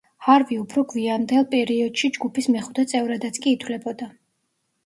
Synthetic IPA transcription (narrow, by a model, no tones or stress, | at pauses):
haɾviupʰɾɔɡviand̪ɛlˠpʼɛɾiɔd̪̥ʃid͡ʒɡupʰismɛχu̥t̪ʰat̪sʼɛvɾad̪at̪sʰkʼiːt̪ʰwlɛbɔd̪a